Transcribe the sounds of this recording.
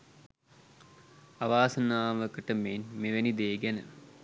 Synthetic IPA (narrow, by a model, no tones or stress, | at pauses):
aʋaːsənaːʋəkəʈəmenmeʋenid̪eːɡænə̰